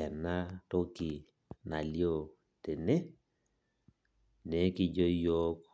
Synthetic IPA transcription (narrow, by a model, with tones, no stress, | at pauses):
ɛ˨na˦to˦ki˨ | na˨ljo˦˨ | te˨ne˦ | ne˨˦ki˨d͡ʒo˦jo˦k